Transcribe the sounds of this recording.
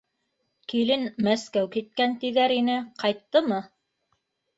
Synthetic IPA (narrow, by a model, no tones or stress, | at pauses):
kilɘnmæskæwkit̪̚kænt̪iðæɾinɘqɑjt̪ːɤmɤ